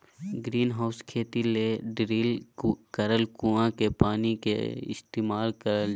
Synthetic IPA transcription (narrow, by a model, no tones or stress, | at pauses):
ɡɾiːnɦaːʊskʰeːt̪ileɖɾiːlkəɾəlkuãkepaːnikḛɪ̰st̪eːmaːlkəɾəl